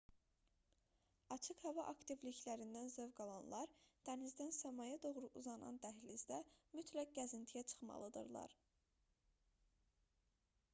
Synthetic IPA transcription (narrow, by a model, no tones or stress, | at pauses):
ɑt͡ʃʰɯkhævɑʔɑkt̪ivliçlæɾind̪ænzøvɡɑlˠɑnlˠɑɾt̪ʰæmizd̪ænsæmɑjɑd̪o̞ʁɾuʔuzɑnɑ̰nd̪æɦlizd̪æmyt̪ʰlæk̚ɡæzint̪ʰijæt͡ʃʰɯ̥χmɑ̰lˠɯd̪ɯ̰ɾlˠɑ̰ɾ